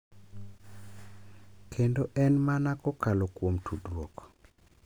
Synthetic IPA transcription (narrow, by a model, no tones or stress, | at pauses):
kʰendoʔɛnmanakɔkalokwomtʰudɾwokɔ̥